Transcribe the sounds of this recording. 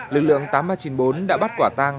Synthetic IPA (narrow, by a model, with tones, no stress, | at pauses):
lɨ˨˩k̚lɨ̰˧˨əŋt̪aː˨˦mɓaː˧˩jt͡ɕi˨˦nɓo˨˦nɗa̰ː˧˥ɓa˦˥t̚kwaː˧˩t̪aː˧ŋ